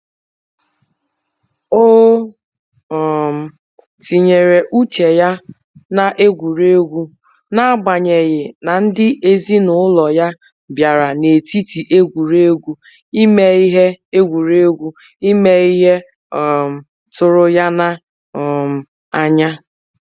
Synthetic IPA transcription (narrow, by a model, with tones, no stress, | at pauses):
o˦˨ | m̩˨ | ti˨ɲe˨ɾe˨ʔu˦te˨ja˦ | na˨ʔe˦ɡʷu˨ɾe˦ɡʷu˦ | na˦a˦ɡ͡ba˨ɲe˨ɣɪ˨na˨n̩˦dɪ˦ʔe˦zi˦nʊ˦lɔ˨ja˦ | bja˨ɾa˨ne˨ti˦ti˨ʔe˦ɡʷu˨ɾe˦e˦ɡʷu˦ | i˦me˦i˦ɦe˦e˦ɡʷu˨ɾe˦ɡʷu˦ | i˦me˦i˦ɦe˦˨ | m̩˨ | tʊ˨ɾʊ˦ja˦na˨ | m̩˨ | a˦ɲa˦